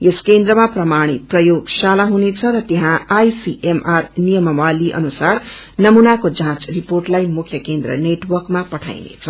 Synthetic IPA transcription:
jeskend̪ɾʌmaprʌmaɽ̃it̪̚prʌjoɡsalaɦunet͡sʰʌɾʌt̪eɦãajsiʔemarnijʌmʌwaliʔʌ̰nusar | nʌmunakod͡zãt͡sriporʈlajmukʰjʌkend̪ɾʌ̰neʈwʌrkmapʌʈʰa̰jnḛt͡sʰʌ

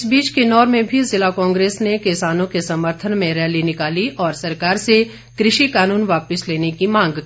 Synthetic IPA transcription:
ɪsbiːt͡ʃkenɔːɾmẽbʱizɪlakɔ̃ːŋɡɾeːsnekɪsaːnõkesɐməɾt̪ʰənmẽɾɛːlinɪkaːliʔɔːɾsɐɾkaːɾse | kɾɪʃikaːnuːnʋaːpəsleːnekimãːŋɡ

